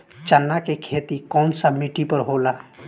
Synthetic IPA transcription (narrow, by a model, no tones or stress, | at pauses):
t͡ʃənːakekʰeːt̪ikɔːnsəmiʈipəɾɦoːla